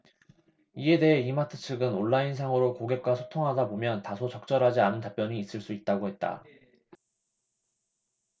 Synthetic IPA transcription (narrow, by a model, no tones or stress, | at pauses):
ie̞de̞ɦe̞imatʰɯ̥t͡ɕʰɯɡɯnoɭːains̬ʰaŋɯɾokoɡe̞p̚k͈wasʰo̥tʰoŋɦadabomjʌntasʰot͡ɕʌk̚t͡ɕ͈ʌɾɦad͡ʑianɯntap͈jʌɲiːs͈ɯɭs͈uit̚t͈aɡohe̞t̚t͈a̰